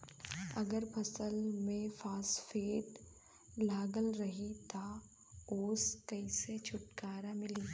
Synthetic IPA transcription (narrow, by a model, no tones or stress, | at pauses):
ɐɡəɾpʰɐsəlmẽfaːsfeːʈ | laːɡəlɾɐɦit̪a | oːskɐiset͡ʃʰʊʈkaːɾamɪliː